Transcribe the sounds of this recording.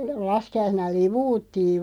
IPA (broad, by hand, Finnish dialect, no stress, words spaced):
lɑskiɑisenɑ liʋuːtːiːʋ